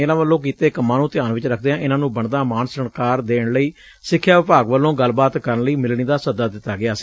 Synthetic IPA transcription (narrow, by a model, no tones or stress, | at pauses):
eːlãːʋəlːõːkiːt̪eːkəmːãːnũːt̪ɪjaːnʋɪt͡ʃɾəkʰd̪eːãːʔɪnãːnũːbəɳd̪aːmaːnsəɳkaːɾd̪eːɳləiː | sɪkʰːjaːʋɪpaːɡʋəlːõːɡəlbaːt̪kəɾəɳləiːmɪlɳiːd̪aːsəd̪aːd̪ɪt̪ːaːɡɪaːsi